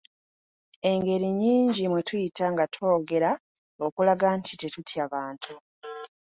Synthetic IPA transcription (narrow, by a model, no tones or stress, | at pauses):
e̞ŋɡe̞ɾiɲiːɲɟimwetujitaŋɡatʰo̞ːɡe̞ɾa | okulaɡantʰite̞tutʰiaβaːntʰu